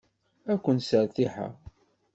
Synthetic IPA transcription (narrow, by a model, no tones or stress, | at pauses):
ækʷːənsəɾθiħa̰